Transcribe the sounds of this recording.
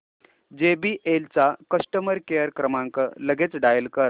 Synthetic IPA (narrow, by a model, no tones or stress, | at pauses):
d͡ʑebiːʔelt͡sakəsʈəməɾkejəɾkɾəmaŋkələɡʱet͡sɖajəlkəɾ